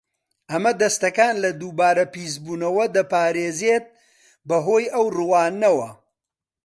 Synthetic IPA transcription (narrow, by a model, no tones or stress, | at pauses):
ʔɐmɐd̪ɐst̪ɐkaːnlɐd̪uːbaːɾɐpiːzbuːnɐwɐd̪ɐpaːɾeːzeːt̪̚ | bɐɦoːjɐwrɨwaːnɐwɐ